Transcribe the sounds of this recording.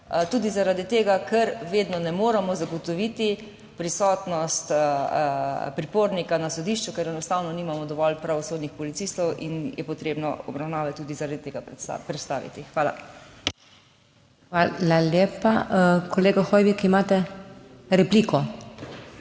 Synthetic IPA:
t̪uːd̪izaɾad̪it̪eːɡakɛɾʋeːd̪nɔnɛmoːɾɛmɔzaɡɔt̪ɔʋiːt̪i | pɾisɔːt̪nɔst̪ | pɾipoɾnikanasɔd̪iʃt͡ʃukɛɾɛnɔst̪aːwnɔniːmamɔd̪ɔʋɔlpɾaʋɔsoːd̪nixpɔlitsist̪ɔwʔḭnjʔɛpɔt̪ɾeːbnɔ̰ɔ̰bɾawnaːʋɛt̪ːuːd̪izaɾad̪it̪eːɡa̰pɾɛt̪st̪a̰ːʋḭt̪ixʋaːla̰ | ʋalaleːpakɔleːɡaxɔːjʋikimaːt̪ɛ | ɾɛplikɔ

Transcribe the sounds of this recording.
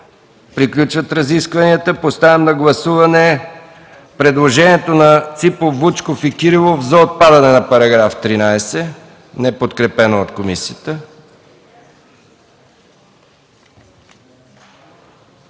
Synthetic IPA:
pɾiklʲut͡ʃvət̪ɾɐziskvɐniət̪əpost̪avɛmnɐɡlˠɐsuvɐnɛ | pɾɛd̪lˠoʒɛniɛt̪onɐt̪sipofːut͡ʃkofikʲiɾilˠofzɐot̪̚pad̪ɐnɛnɐpɐɾɐɡɾaft̪ɾinajsɛ | nɛpot̪kɾɛpɛnoːt̪komisiət̪ə

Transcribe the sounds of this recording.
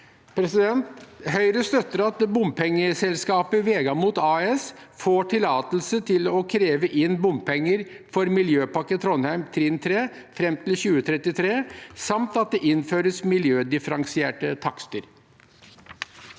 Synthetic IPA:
pʰɾɛsɪd̪ɛnt̪ɦœʏɾəst̪œt̪ːəɾɑt̪̚d̪ɛbʊmpʰɛŋːəsɛlskɑːpəʋeːɡɑmuːt̪ɑːɛsfoːʈʰɪlɑːt̪l̩sət̪ʰɪlɔkʰɾeːʋəʔɪnbʊmpʰɛŋːəɾ | fɔɾmɪljøːpɑkːət̪ʰɾɔnhæɪmt̪ʰɾɪnt̪ʰɾeː | fɾɛmt̪ʰɪlɕʉːət̪ʰɾɛt̪ːɪt̪ʰɾeːsɑmt̪ɑt̪̚d̪ɛʔɪnføːɾəsmɪljøːd̪ɪfəɾɑŋsɪeːʈət̪ʰɑkst̪əɾ

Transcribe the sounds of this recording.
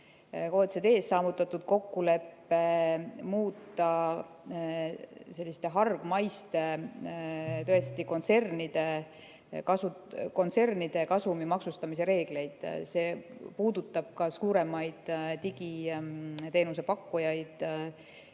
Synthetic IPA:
oːt̪sed̪̥e̞ːsːɑːvut̪ːˑɑt̪ːˑud̪̥̚ko̞kːule̞pːe̞muːt̪ːˑɑ | se̞lʲːist̪e̞ɦɑrɡ̥mɑjst̪e̞ | t̪ɤest̪iko̞nt̪se̞rnid̪̥e̞ | kɑsu | ko̞nt̪se̞rnid̪̥e̞kɑsumimɑksust̪ɑmis̬e̞ɾe̞ːɡ̥le̞jd̪̥se̞ːpuːd̪̥ut̪ˑːɑb̥̚kɑsuːɾe̞mɑjd̪̥t̪iɡ̥i | t̪e̞ːnus̬e̞pɑkːujɑjd̪̥

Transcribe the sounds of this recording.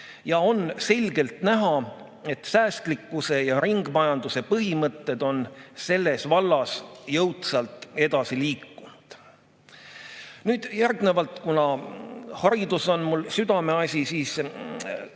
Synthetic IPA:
jɑo̞nse̞lʲɡ̥e̞lt̪næɦɑ | e̞t̪sæːst̪likːˑuse̞jɑɾiŋɡ̥mɑjɑnd̪̥use̞pɤɦimɤt̪ːe̞d̪̥o̞nse̞lːe̞svɑlːɑsjɤwt̪sɑlt̪ːˑe̞d̪̥ɑsiliːkːund̪̥ | nyːd̪̥jærɡne̞vɑlt̪kunɑ | hɑɾid̪̥uso̞nmulsyd̪ɑme̞ɑsʲisiːs

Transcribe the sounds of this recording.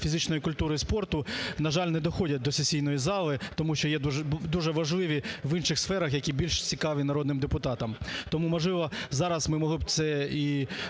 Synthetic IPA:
fʲizɪt͡ʃnɔjikʊlʲt̪uɾɪispɔrt̪ʊnɐʒɑlʲnɛd̪ɔxɔdʲɐt̚ʲd̪ɔsesʲijnɔjizɑlˠɪt̪ɔmuʃt͡ʃɔjɛd̪ud̪uʒɛʋɐʒlˠɪʋʲiʋɪnʃɪxsfɛɾɐxjɐkʲibʲilʲʃt͡sʲikɑʋʲinɐɾɔd̪nɪmd̪epʊt̪ɑt̪ɐmt̪ɔmumɔʒlˠɪʋɔzɑɾɐsmɪmɔɦlˠɪb̪sɛi

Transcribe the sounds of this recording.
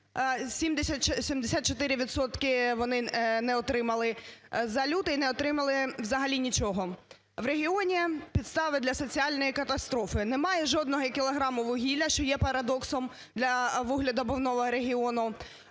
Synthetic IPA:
sʲimd̪esʲɐt͡ʃsʲimd̪esʲat̪t͡ʃɔt̪ɪɾʲɪʋʲit̪sɔt̪kɪʋɔnɪnɛɔt̪ɾɪmɐlˠɪzɐlʲut̪ʊinɛɔt̪ɾɪmɐlˠɪʋzɐɦɐlʲinʲit͡ʃɔɦɔ | ʋɾeɦʲiɔnʲipʲid̪st̪ɑʋɪd̪lʲɐsɔt͡sʲiɑlʲnɔjikɐt̪ɐst̪ɾɔfɪnɛmɑjɛʒɔd̪nɔɦɔkʲɪlˠɐɦɾɑmʊʋʊɦʲilʲɐʃt͡ʃɔjɛpɐɾɐd̪ɔksɔm | d̪lʲɐʋʊɦlʲɐd̪ɐbɔwnɔʋɔɾeɦʲiɔnʊ

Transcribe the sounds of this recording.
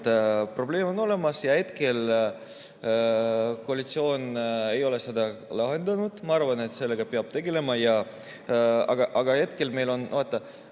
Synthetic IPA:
t̪pro̞ble̞ːmo̞no̞le̞mɑsjɑe̞t̪ke̞l | koɑlʲit̪sio̞ːne̞jo̞le̞sed̪̥ɑlɑɦe̞nd̪ɑnud̪̥mɑɑɾvɑne̞t̪ːˑse̞lːe̞ɡ̥ɑpeɑb̥̚t̪e̞ɡe̞le̞mɑjɑ | ɑɡ̥ɑʔɑɡɑe̞t̪ke̞lme̞jlo̞nvoːt̪ˑːɑ

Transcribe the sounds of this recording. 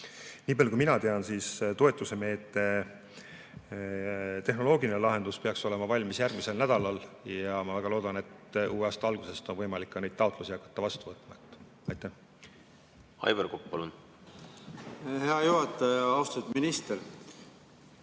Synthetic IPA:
niːpɑlʲjkujminɑt̪e̞ɑnsiːst̪o̞e̞t̪ːˑuse̞me̞ːt̪ːe̞ | t̪e̞ɦno̞lo̞ːɡilinelɑɦe̞nd̪̥uspe̞ɑkso̞le̞mɑvɑlʲmisjærɡ̥mise̞lnæd̪̥ɑlɑljɑmɑvæɡ̥ɑlo̞ːd̪̥ɑne̞t̪uːeɑːst̪ɑɑlɡ̥use̞st̪o̞nvɤjmɑlikːɑne̞jd̪̥t̪ɑut̪lusiɑkːˑɑ̥t̪ːɑvɑst̪uvɤt̪ːˑmɑet̪ːˑ | ɑjt̪ːæh | ɑ̰jverkopːɑlun | heɑjuɦɑt̪ːˑɑjɑɑwst̪ɑt̪minist̪eɾ

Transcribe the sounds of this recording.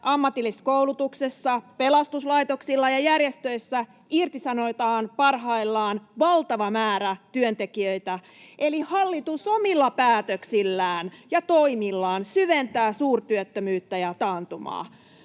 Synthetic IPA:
ʔɑmːɑt̪ilːiskoulut̪uksesːɑpelɑst̪uslɑit̪o̞ksilːɑjɑjærjest̪øisːæ | irt̪isɑnot̪ɑːnpɑrɦɑilːɑːnʋɑlt̪ɑʋɑmæːɾæt̪yønt̪e̞kiøit̪æ | ʔelihɑlːit̪uso̞milːɑpæːt̪øksilːæːnjɑt̪o̞imilːɑːnsyʋent̪æːsuːrt̪yøt̪ːømyːt̪ːæjɑt̪ɑːnt̪umɑ̰ː

